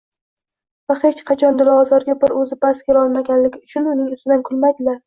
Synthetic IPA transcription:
vahe̞t͡ʃqʰɑt͡ʃʰɒnd̪ɪlˠɒɒzɒɾɡʲabɪɾɵzɪbaskʲeɾɒlˠmaɡʲanlɪɡʲɪʊt͡ʃʰʊnʊnɪŋʊst̪ɪd̪ankʰʊlmajd̪ɪlaɾ

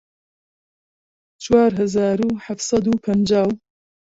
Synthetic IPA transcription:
t͡ʃwaːɾɦɐzaːɾuːħaft̪sɐd̪uːpʰɐnd͡ʒaːw

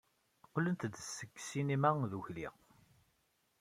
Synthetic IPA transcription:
qːlənt̪d̪əsːəkːsinimæðuçlḭ

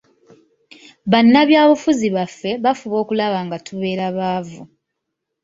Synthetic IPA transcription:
βanːaβjaːβufuziβafːe̞βafuβo̞ːkulaβaŋɡatʰuβe̞ːɾaβaːvu

